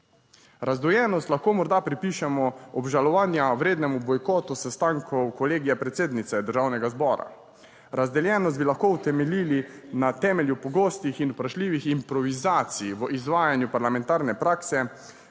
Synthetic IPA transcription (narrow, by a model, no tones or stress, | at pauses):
ɾazd̪ujɛnɔst̪laxkoːmɔɾd̪apɾipiːʃɛmɔɔbʒalɔʋaːnjawɾeːd̪nɛmubɔjkɔːt̪usɛst̪aŋkʰɔwkɔleːɡijɛpɾɛt̪seːd̪nit̪sɛd̪əɾʒawnɛɡazbɔːɾa̰ | ɾazd̪ɛljɛnɔst̪bilaxkoːwt̪ɛmɛliːlinat̪ɛːmɛljupɔɡoːst̪ixinupɾaʃliːʋiximpɾɔʋizaːt̪sijʋəʔizʋaːjanjupaɾlamɛ̃nt̪aːɾnɛpɾaːksɛ